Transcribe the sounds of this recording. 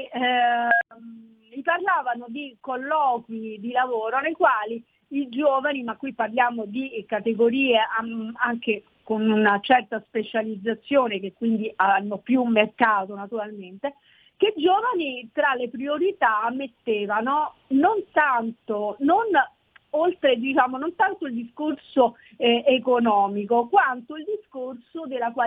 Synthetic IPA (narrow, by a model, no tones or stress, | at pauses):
iparlaːvanod̪ikolːɔːkwid̪ilavoːɾonejkwaːliː | d͡ʒoːvanimakːwipːarljaːmod̪ikat̪eɡoɾiːeaaŋke | konunat͡ʃɛrt̪aspet͡ʃalid̪zːat̪sːjoːnekekːwind̪iaanːopjumːerkaːt̪onat̪uɾalment̪e | ked͡ʒoːvanit̪ɾalepɾioɾit̪aːmːet̪ːeːvanonont̪ant̪onon | olt̪ɾed̪it͡ʃaːmonont̪ant̪oild̪iskorso | ekonɔːmikokwant̪oild̪iskorsod̪elːakwaː